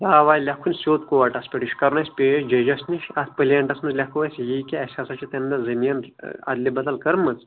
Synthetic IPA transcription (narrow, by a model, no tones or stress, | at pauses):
jaːʋaːjlʲɐkʰunʲsʲoːt̪koʋɐʈɐspʲeʈiʃʲkɐɾnɐsʲpʲeːʃd͡ʒɐd͡ʒɐsniʃɐt̪ʰpɨliɐɳʈɐsmɐnzlʲɐkʰuʋɐsʲjikʲeɐsʲɐsɐt͡ʃʰit̪ɐnd̪ɐzɐminɐ̰d̪libɐt̪ɐlkɐɾmːɐt͡s